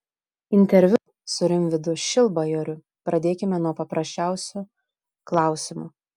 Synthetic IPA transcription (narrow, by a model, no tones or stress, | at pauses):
ɪnʲt̪ʲɛɾʲʋʲʊ | sʊɾʲɪmʲʋʲɪd̪ʊʃʲɪlˠbɐjoɾʲʊ | pɾɐd̪ʲeːkʲɪmʲɛnuɔpɐpɾɐsʲt͡ʃʲæˑʊsʲʊ | klˠɑˑʊsʲɪmʊ̰